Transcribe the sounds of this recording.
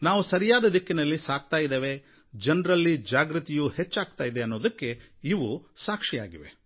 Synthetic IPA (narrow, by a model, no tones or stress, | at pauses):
naːʋusɐɾijaːd̪ɐd̪ikːinɐlːisaːɡ̚t̪aːjid̪eːʋe̞ | d͡ʒɐnɾɐlːid͡ʒaːɡɾut̪ijuhet͡ʃːaːɡ̚t̪aːjid̪eɐnːoːd̪ɐkːe̞ | iʋusaːkʂija̰ːɡiʋe̞̰